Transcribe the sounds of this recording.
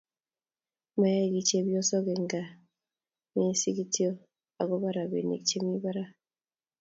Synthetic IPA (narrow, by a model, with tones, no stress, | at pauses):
ma˨ja˦˨ɡi˨t͡ʃe˦bjɔ˦sɔ˦ɡe˨ŋɡa˨ | mi˦si˦ɡi˦ti˦ɔ˦ | a˨ɡɔ˦ba˦ɾa˨bḛ˨nḛ˨kt͡ʃe˦mi˦ba˦ɾa˦